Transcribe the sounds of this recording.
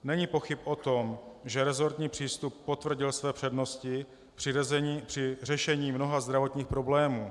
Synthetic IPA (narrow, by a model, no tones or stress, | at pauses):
nɛɲiːpo̞xɪpʔo̞t̪o̞mʒɛɾɛzo̞ɾt̪ɲiːpr̝̥iːst̪upːo̞t̪vr̩ɟɪlsvɛːpr̥ɛdno̞scɪ̥ | pr̥ɪrɛʃɛɲiːmno̞ɦazd̪ɾavo̞t̪ɲiːxpɾo̞blɛːmuː